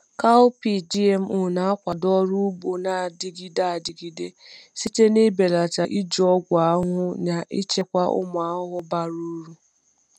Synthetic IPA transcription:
ka˦ʊ˦pi˦d͡ʒi˦e˦m̩˦ʊ˦˨na˨˦a˦kʷa˨dɔ˦ɾu˦bo˨na˨dɪ˦˨ɡi˦da˦˨dɪ˨ɡi˨de˦ | si˦te˦ne˦be˨la˨ta˨ʔi˦d͡ʒɔ˦ɡʷa˨a˦ɦʊ˦na˨ʔi˦t͡ʃe˦kʷa˦ʔʊ̰˦mʊ˨a˦ɦʊ˦ɦʊ˦ba˨ɾu˦ɾu˦

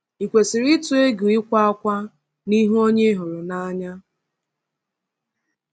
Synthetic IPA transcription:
i˨kʷe˨sɪ˨ɾɪ˦tu˨e˦ɡu˨ɪ˦kʷa˦a˦kʷa˦ | ni˦ɦu˦o˦ɲe˦ɦʊ˨ɾʊ˨na˦ɲa˦

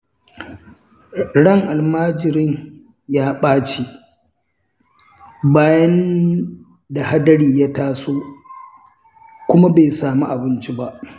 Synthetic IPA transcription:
ɽɐ˦˨ŋʔa˨lmaː˦d͡ʒɪ˨ɾɪ˦ɲ | jaː˦ɓaː˦t͡ʃi˦ | baː˦jɐ˦n | da˨ha˦dɐ˦ɽiː˨ja˦taː˦soː˦ | kʷʊ˦ma˦be˨saː˨mu˦ʔa˨bɪ˦nt͡ʃi˦ba˦ʔ

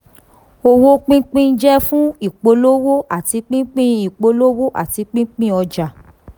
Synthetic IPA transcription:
o˧wo˦k͡pĩ˦k͡pĩ˦n̩˦d͡ʒɛ˦fũ˦i˦˨k͡po˧˦lo˦wo˦ʔa˦˨ti˨˧k͡pĩ˦k͡pĩ˦i˨k͡po˨˧lo˦wo˦ʔa̰˦˨ti˨˧k͡pĩ˦k͡pĩ˦˨ɔ˧d͡ʒa˨

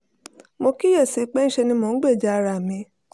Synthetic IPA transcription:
mo˧ki˦jɛ˦˨se˨˧k͡pɛ˦n̩˦ʃe˧nĩ˧mõ˧n̩˦ɡ͡be˦˨d͡ʒa˧˦˧ɾa˨mĩ˧

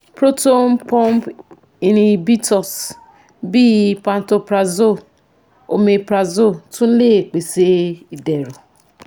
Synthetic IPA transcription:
pɾo˦to˦n̩˦pɔ̃˦m˦p | i˨nĩ˨bi˦tɔ˨s | bi˦˨pa˨n˦to˨pɾa˨zo˦˨ | o˨me˨pɾa˨zo˦˨tũ˦n̩˦le˦˨k͡pe˨se˦i˨dɛ˨ɾo˨

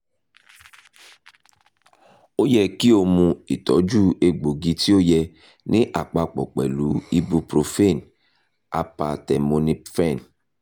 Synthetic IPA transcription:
o˦jɛ˧ki˦o˧mũ˧i˨tɔ˨˦d͡ʒu˦e˧ɡ͡bo˨ɡi˧ti˦o˦jɛ˧ | nĩ˦ʔa˨k͡pa˧k͡pɔ̰˨k͡pɛ˨lu˨˦i˦˧bu˧pɾo˧fe˦˨n | a̰˨pa˧tɛ˨mo˧ni˦fɛ˦˨n

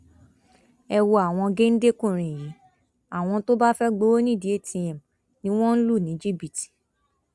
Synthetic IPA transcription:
ɛ˧wo˧a˨w̃ɔ̃˧ɡe˦n̩˦de˦kũ˦˨ɾ̃ĩ˨ji˨˦ | a˨w̃ɔ̃˧to˦ba˦fɛ˦ɡ͡bo˨˦o˦nĩ˦˨di˨˦e˦˨tʰĩ˧ɛ̃˨m˨ | nĩ˦w̃ɔ̃˦n̩˦lu˦˨nĩ˨˦d͡ʒi˦˨bi˨ti̥˨

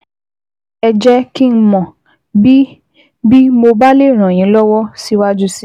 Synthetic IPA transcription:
ɛ˧d͡ʒɛ˦ki˦n̩˦mɔ̃˨ | bi˦ | bi˦mo˧ba˦le˦˨ɾ̃ã˨j̃ĩ˨˦lɔ˦wɔ˦si˦wa˦d͡ʒu˦si˦

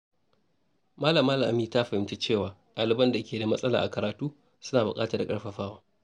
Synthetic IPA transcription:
maː˦lɐ˨mːaː˦lɐ˨mʔa˦miː˨ta˦ɸɐ˨hɪ˨mt͡ʃe˦t͡ʃeː˦˨waː˨ɗʼaː˨lɪ˦bɐ˦nda˨kʲʰeː˨da˨mɐ˦sʼɐ˦la̰ː˨ʔa˨kɐ˨ɾaː˨tuː˦ | sʊ˦naː˨bʊ̰˨kʼa̰ː˦ta˨da˨kʼɐ˦ɽɸɐ˨ɸaː˦waː˦

